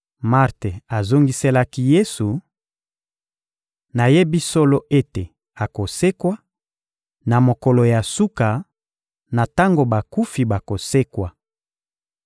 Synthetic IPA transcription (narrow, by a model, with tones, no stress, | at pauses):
ma˦ʁte˨a˨zo˦ŋɡi˦se˦la˦ki˦je˦su˨ | na˨je˦bi˦so˦lo˦ʔe˦te˨ | a˨ko˨se˦kwa˦ | na˨mo˨ko˨lo˨ja˨su˦ka˨ | na˨ta˦ŋɡo˨ba˨ku˦fi˨ba˨ko˨se˦kwa˨